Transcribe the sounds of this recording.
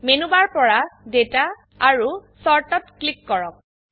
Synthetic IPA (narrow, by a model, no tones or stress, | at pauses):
menubaɹpɔɹadetaː | ɹusɔɹʈɔtklikːɔɹɔk̚